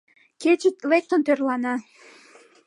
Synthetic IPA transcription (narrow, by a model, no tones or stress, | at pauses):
kʲet͡ɕet̪lek̚t̪ŏnt̪ørlˠɑnɑ